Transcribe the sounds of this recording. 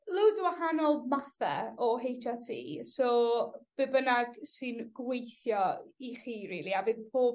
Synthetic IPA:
lˠɪwdwahanɔlˠmaθɛ̰ɔɦejtʰatʰḭːsɔb̥ɨbənaɡsɨnɡ̥wejθjɔiχiːɾiːlˠiavɨðb̥oːb

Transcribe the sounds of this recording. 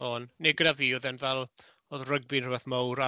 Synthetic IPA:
ɔnneɡəɾaviːɔðɛnvɛlˠ | oːðrəɡ̚bɪnrəbɛθmowɾa

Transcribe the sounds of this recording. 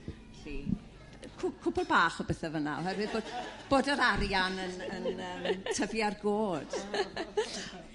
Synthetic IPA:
ɬi | kʰʊkʰʊbɔlˠbaːχɔbɛθɛvəna̰ɔ̰ɦɛrwɨðboːdb̥oːdəɾaɾjanənənəːmtʰəvjarɡoːd̥

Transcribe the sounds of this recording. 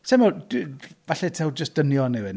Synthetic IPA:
sɛmɔdvaɬɛtʰɛwd͡ʒəsd̥ənjɔnɪwɪn

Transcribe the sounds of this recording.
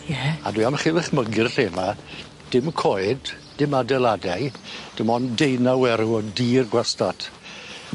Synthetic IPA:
jɛadwiamχɪvɪχməɡɪrɬeːma | d̥ɪmkʰoɨdː | ɪmadɛlˠadɛjd̥ɪmɔndejnawɛɾuɔdiːrɡwastad̥

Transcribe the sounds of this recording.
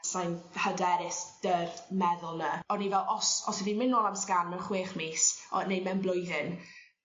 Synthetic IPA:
sajnhədɛɾɪsd̥ərmɛðʊlˠnəɔnivɛlˠʔɔsɔsɛvimɪnoːlˠamskanmɛχweːχmiːsɔ̰nejmɛnblˠʊjðɪn

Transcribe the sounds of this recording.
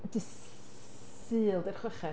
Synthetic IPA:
dɪs | sɨːlˠdɛrχwɛχɛ

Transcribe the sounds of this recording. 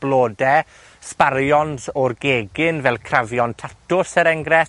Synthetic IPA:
b̥lˠoːdɛ | sparjɔnzɔrɡeːɡɪnvɛlˠkʰravjɔntʰatʰʊsəɾɛŋɡɾɛ

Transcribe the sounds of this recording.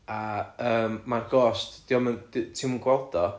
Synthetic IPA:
aəːmːarɡɔstd̥iɔməndtʰɪmənɡwɔlˠd̥ɔ

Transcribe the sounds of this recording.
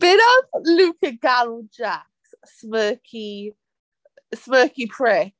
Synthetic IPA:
b̥ɪɾəzlʉːˑkəɡaləlˠd͡ʒaks | smɜˑkʰi | smɜˑkipʰɹ̥ɛ

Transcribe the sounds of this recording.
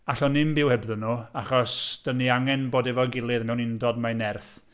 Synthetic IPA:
aɬɔnɪmbɪwhɛbðənuaχɔsd̥əniaŋɛnboːdɛvɔənɡɪlˠɨðmɛwnɪndɔdmanɛrθ

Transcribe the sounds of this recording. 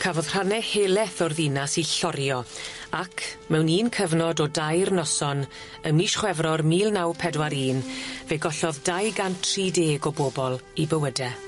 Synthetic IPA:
kʰavɔðr̥anɛheːlˠɛθɔrðinasiɬɔɾjɔakʰmɛwniːnkʰəvnɔdɔdajrnɔsɔn | əmwiʃχwɛvrɔrmiːlˠnawpʰɛdwaɾiːnveɡɔɬɔðdajɡantʰriːdeːɡɔbobɔlˠibəwədɛ

